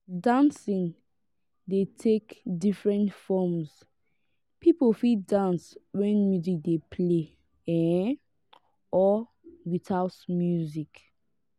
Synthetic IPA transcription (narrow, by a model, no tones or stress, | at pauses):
dãnsĩŋ | detʰekdifɹɛ̃ntfɔmz | pipolfidãnswɛ̃nmjuzik̚depʰle | ɛ̃ | ɔ | wiθaʊtmjuzik